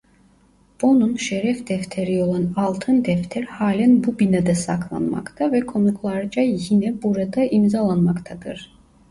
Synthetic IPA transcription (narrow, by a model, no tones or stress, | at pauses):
b̥o̞nunʃeɾɛfd̪ɛft̪ʰeɾio̞lˠanɑlˠt̪ʰɯnd̪ɛft̪ʰɛɾhaːlʲænbubinad̪ɛsakʰlˠa̰nma̰kt̪ʰavɛkʰo̞nukʰlˠaɾd͡ʒajinɛbuɾad̪aʔimzalˠanmakt̪ʰad̪ɯɾ̥